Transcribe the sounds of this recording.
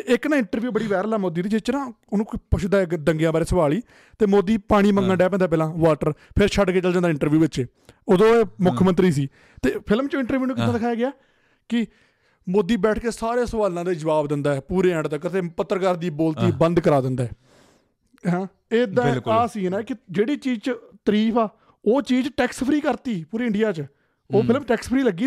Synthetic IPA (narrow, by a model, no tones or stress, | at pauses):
eɪknãːɪɳʈəɾʋjuːbəɽiːʋɛːɾlaːmoːd̪iːd̪iːd͡ʒɪst͡ʃɾãː | ʊnũːpʊʃd̪ãːkd̪əŋɡjãːbaːɾeːsəʋaːliː | t̪eːmoːd̪iːpaːɽ̃iːməŋɡə̃ɳɖɛːp̬ɛ̃ːnd̪aːp̬ɛːlãːʋaːʈəɾpʰɪɾt͡ʃʰəɖkeːt͡ʃəld͡ʒãnd̪aːɪ̃ɳʈəɾʋjuːʋɪt͡ʃː | oːd̪õːeːmʊkʰmənt̪ɾiːs̬iː | t̪eːpʰɪlmt͡ʃõːɪ̃ɳʈəɾʋjuːnũːkɪt̪ãːd̪ɪkʰaːjaːɡɪaː | kɪ | moːd̪ːiːbɛːʈʰkeːsaːɾeːsəʋaːlãːd̪eːd͡ʒəʋaːbd̪ɪnd̪aːɛːpuːɾeːɛ̃ɳɖt̪əkːət̪eːpət̪ːəɾkaɾd̪iːboːlt̪iːbə̃nd̪kəɾaːd̪ɪnd̪aːɛː | ɦãː | eːd̪ãːaːsiːnɛ̃ːkɪd͡ʒeːɽiːt͡ʃiːd͡ʒt͡ʃt̪əɾiːpʰaː | oːt͡ʃiːd͡ʒʈɛːkspʰɾiːkəɾt̪iːpuːɾiːɪɳɖɪjaːt͡ʃ | oːpʰɪlmʈɛːkspʰɾiːləɡiː